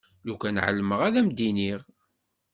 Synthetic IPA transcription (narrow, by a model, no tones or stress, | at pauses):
lukʷænʕə̰lːəməʁæðæmd̪iniʁ